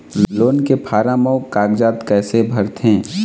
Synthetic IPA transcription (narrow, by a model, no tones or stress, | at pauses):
loːnkepʰaːɾaməʊkaːɡd͡ʒaːt̪kɛːsebʱəɾt̪ʰẽː